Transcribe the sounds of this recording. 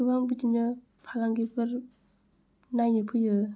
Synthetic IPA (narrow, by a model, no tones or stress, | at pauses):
ɯbaŋbɯdinɯ | pʰalaŋɡipʰɯɾ | najnɯpʰɯjɯ